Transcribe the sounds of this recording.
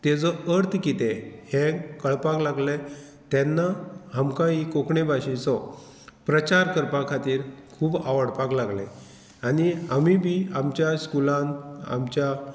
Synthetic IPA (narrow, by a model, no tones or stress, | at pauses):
t̪ed͡zɔəɾt̪ʰkit̪ehẽkəɭpaklaɡle | t̪ɛnːahamkãɦikokɳebʱaɕĩsɔ | pɾət͡ɕaɾkəɾpãkʰat̪iːɾkʰuːbaʋəɽpãklaɡlẽ | aniamibʱiːamt͡ɕjaskulãna̰mt͡ɕja